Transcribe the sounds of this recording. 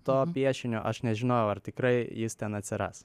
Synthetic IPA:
t̪oːpʲiɛʃʲɪnʲoːʔɐʃnʲɛʒʲɪnoːjɛʊɐrt̪ʲɪkɾɐɪjɪst̪ʲɛnɐt̪ʲsʲɪɾɑ̰ːs

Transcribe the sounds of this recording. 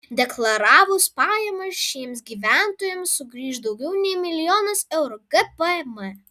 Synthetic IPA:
d̪ʲɛklˠɐɾɑːʋʊspɑːjɛmɐsʃʲiɛmsɡʲiːʋʲæˑnt̪oːjɛmsːʊɡɾʲiːʃd̪ɐʊɡʲɛʊnʲɛɪmʲɪlʲɪjoːnɐsɛʊɾʊɡɐpəɛmɛ

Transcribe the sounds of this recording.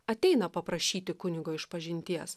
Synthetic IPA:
ɐt̪ʲɛɪnɐpɐpɾɐʃʲiːt̪ʲɪkʊnʲɪɡoːɪʃpɐʒʲɪnʲt̪ʲiɛs

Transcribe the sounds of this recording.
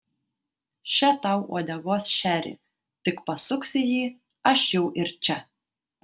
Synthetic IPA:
ʃʲɛt̪ɐʊṵɔd̪ʲɛɡoːsʃʲæːɾʲḭ | t̪ʲɪkpɐsʊksʲɪjiː | ɐʃjɛʊʔɪɾt͡ʃʲɛ

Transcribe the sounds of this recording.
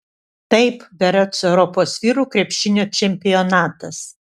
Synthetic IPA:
t̪ɐɪpʋʲɛɾʲot̪sɛʊɾɔpoːsʋʲiːɾuːkɾʲɛpʲʃʲɪnʲoːt͡ʃʲɛmʲpʲɪjonɑːt̪ɐs

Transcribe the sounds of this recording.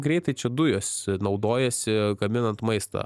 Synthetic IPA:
ɡɾʲɛɪt̪ɐɪt͡ʃʲɛd̪ʊjosʲnɐʊd̪oːjɛsʲɪɡɐmʲɪnɐnt̪mɐɪst̪ɐ̰

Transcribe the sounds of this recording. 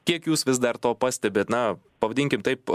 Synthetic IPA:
kʲiɛkjuːsʋʲɪsd̪ɐrt̪oːpɑːsʲt̪ʲɛbʲeːt̪nɐ | pɐʋɐdʲiːŋʲkʲɪmt̪ɐɪp

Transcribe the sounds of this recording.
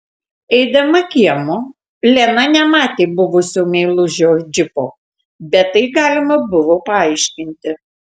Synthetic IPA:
ɛɪd̪ɐmɐkʲiɛmʊ | lʲɛnɐnʲɛmɑːt̪ʲeːbʊʋʊsʲoːmʲɛɪlˠʊʒʲoːd͡ʒʲɪpoː | bʲɛt̪ːɐɪɡɑːlʲɪmɐbʊʋoːpɐɐɪʃʲkʲɪnʲt̪ʲɪ

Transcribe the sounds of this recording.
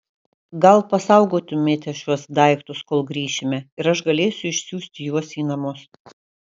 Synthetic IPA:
ɡɐlˠpɐsɐˑʊɡoːt̪ʲʊmʲeːt̪ʲɛʃʲuɔsd̪ɐˑɪkt̪ʊskoːlˠɡɾʲiːʃʲɪmʲɛɪɾɐʃɡɐlʲeːsʲʊɪʃʲsʲuːsʲt̪ʲɪjuɔsiːnɐmʊs

